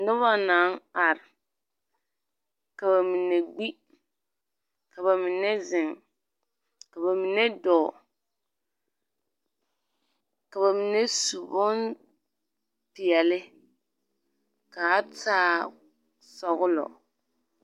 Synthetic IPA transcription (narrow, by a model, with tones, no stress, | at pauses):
dʊ˦βa˦naː˨˦ŋ˦a˨ɾɪ˨ | ka˨ba˨mi˨ne˨ɡ͡bi˦ | ka˨ba˨mi˨nɛ˦zɪ˨ŋ | ka˨ba˨mi˨nɛ˦dɔː˨ | ka˨βa˨mi˨nɛ˦su˨bɔ˦n | pɪ˨ɛ˨lɪ˦ | ka˨˦taː˦ | sɔ˨ɣʊ˦lɔ̰˨